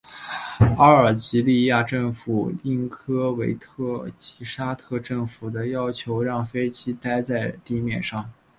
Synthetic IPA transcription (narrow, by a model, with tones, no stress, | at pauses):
ɑ˥ə˞˨˩t͡ɕi˧˥li˥˧ja˥˧ʈ͡ʂɤ˥˩ŋfu˨˩i˥˩ŋkʰɤ˥we˧˥ɪt̪ʰɤ˥˩t͡ɕi˧˥ʂa˥t̪ʰɤ˥˧ʈ͡ʂɤ˥˩ŋfu˨˩d̪ə˦jɑ˥ʊt͡ɕʰjo˧˥ʊɻɑ˥˩ŋfe˥ɪt͡ɕi˥t̪a˥ɪt͡sa˥˧ɪt̪i˥˧mjɛ˥˩nʂɑ˥˩ŋ